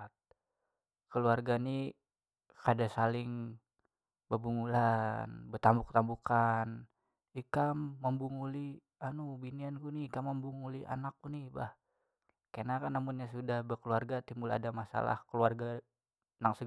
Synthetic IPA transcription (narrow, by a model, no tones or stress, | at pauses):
t̪̚ | kəluarɡani | kadasalɪŋ | bəbuŋulanbət̪ambukə̥t̪ambukan | ikamːəmbuŋuli | anubiniankuniːkamːəmbuŋuliʔa̰nak̚ːuniba̰h | kanakanːamʊnɲasudahbəkəluarɡat̪imula̰damasa̰la̰hkəluarɡa | naŋsə